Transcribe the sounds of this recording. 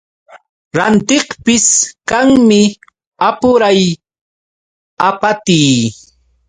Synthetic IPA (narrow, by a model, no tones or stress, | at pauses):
ɾant̪ɪχpɪskaŋmɪ | apʊɾaj | apat̪iː